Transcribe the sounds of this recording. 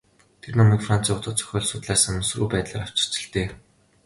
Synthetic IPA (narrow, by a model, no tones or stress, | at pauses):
t̪ʰernɔmiːkfran̥t͡siːʊt͡sʊːtt͡sʰœ̥xʲɔːɮsʊt̪ɮæːsansruːpæːt̪ɮaːɾaw̥t͡ɕɪ̥̆t͡sɘ̆ɬt̪eː